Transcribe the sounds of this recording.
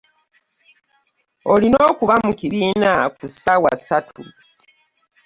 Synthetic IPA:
olinoːkuβamukiβiːnakusawa̰satʰu

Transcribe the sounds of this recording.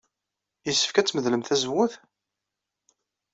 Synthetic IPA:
jisːə̥fkæt͡sːməðləmθæzəwːʊθ

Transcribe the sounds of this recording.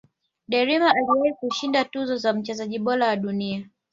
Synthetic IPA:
ɗɛɾimaaliwaikuʃindatuzɔzam̩t͡ʃɛzaʄiɓɔlawaɗunia

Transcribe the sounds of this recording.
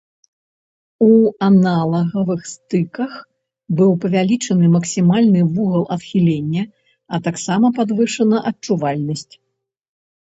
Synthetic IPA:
uanalˠɐɣɐvɨxst̪ɨkɐx | bɨwpɐvʲalʲit͡ʂɐnɨmɐksʲimalʲnɨvuɣɐlˠɐt̪xʲilʲenʲːɐ | ɐt̪aksamɐpad̪vɨʂɐnɐʔɐt͡ʂuvalʲnɐsʲt͡sʲ

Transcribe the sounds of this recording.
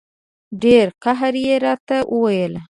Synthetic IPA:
ɖeɾqaɦaɾjeɾɑt̪awʔəwajəla

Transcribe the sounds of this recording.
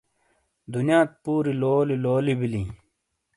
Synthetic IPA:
d̪unjaːt̪̚puːɾiloːliloːlibilĩː

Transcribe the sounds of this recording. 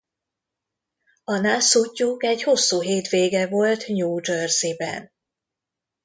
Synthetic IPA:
ɒnasucːukɛɟho̞sːuːɦeːt̪ʋeːɡɛvo̞lt̪ɲuːd͡ʒørzibɛ̰n

